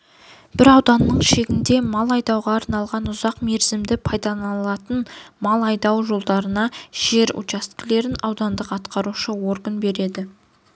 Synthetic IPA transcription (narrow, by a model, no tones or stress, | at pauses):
b̥ɪɾɑwd̪ɑnːəɴʃe̞ɡʲɪnd̪e̞mɑlˠɑjd̪ɑwʁɑːɾnɑlˠʁɑnʊzɑqme̞ɾzɪmd̪ɪpʰɑjd̪ɑnɑlˠɑt̪ənmɑlˠɑjd̪ɑwʒo̞lˠd̪ɑɾənɑʒ̥e̞ɾṵt͡ʃast̪kʲɪle̞ɾɪnɑwd̪ɑnd̪əqɑt̪qʰɑɾuʃəwo̞ɾɡənbe̞ɾe̞d̪ɪ